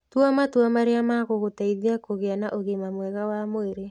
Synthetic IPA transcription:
twamatwamaɾeamaɣoɣotaiðiakoɣeanaʔoɣemamwɛɣawamoeɾe

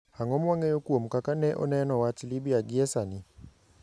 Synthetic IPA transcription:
haŋɔmwaŋɛjokwomkakanɛʔɔ̰nɛnɔwat͡ʃlibiaɡɪɛsanɪ

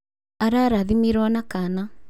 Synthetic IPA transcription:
aɾaɾaðimiɾwɔnakana

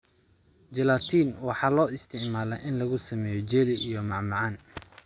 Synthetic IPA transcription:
d͡ʒɛlaːt̪ʰiːnwɑħɑːlɔːɪst̪ʰɪʕmaːlɛʔɪnlɐɣʊsɐmɛːjɔd͡ʒɛːlɪʔijɔmɑʕmɑʕɑːn

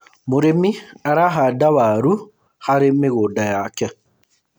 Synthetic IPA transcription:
moɾemiaɾaɦadawaɾu | xaɾemeɣodajaːkɛ

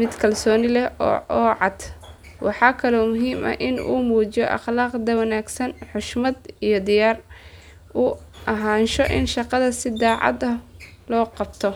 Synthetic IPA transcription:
mɪd̪kʰɐlsɔːnɪlɛɔ̰ːʔɔːʕɑd̪̥ | wɑħɑːkʰɐlɔːmʊɦiːmɐ̰hʔɪnṵːmuːt͡ʃɪjɔʔɑ̰χlaːqd̪ɐwɐnaːɡsɐnħʊʃmɐd̪ijɞd̪ɪjaːr | uːʔɐɦaːnʃɔʔɪ̰nʃɑqɑðɐsɪd̪ɑːʕɑ̰d̪ɐh | lɔːqɑbt̪ʰɔ

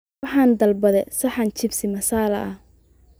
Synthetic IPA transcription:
ɑħɑːnd̪ɐlbɐðɛsɐħɑnt͡ʃɪbsɪmɐsaːlɐ̰ʔɐh

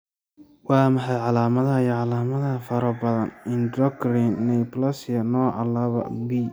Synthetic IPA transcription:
wɑːmɑħɑjʕɑlaːmɐðɐjɐʕɑlaːmɐðɐɐfɐɾɐbɐðɐnɪndɔkɾinːɛjplɐsjɐnɔːʕɑ̰laːβɐ̰wiː

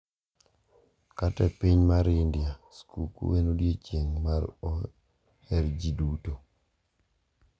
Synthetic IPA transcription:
katɛpiɲmaɾɪndɪaskʰukṵwenodjet͡ʃjeŋmaɾɔ | hɛɾd͡ʒiduto

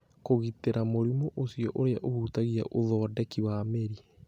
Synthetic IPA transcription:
koɣiteɾamoɾimoʔosiɔʔoɾeaʔohutaɣia̰ʔoðɔːdɛkiwameɾi

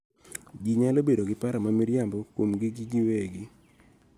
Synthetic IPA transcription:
ɡiɲalobedoɡɪpaɾamamiɾjambɔkwomɡɪɡiɡiweɡɪ

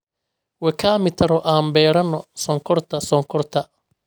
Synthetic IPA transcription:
wɛkʰaːmɪt̪ʰɐɾɔʔaːmbɛːɾɐnːɔsɔŋkʰɔrt̪ʰɐsɔŋkʰɔrt̪ʰɐ

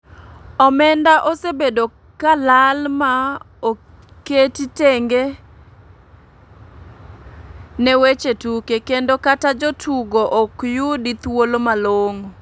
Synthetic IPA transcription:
ɔmɛndaʔosebedo | kalalma | o | ketiteŋɡe | nɛwet͡ʃetukekendokatad͡ʒɔtʰuɡoʔokjudit̪wolomaloŋ

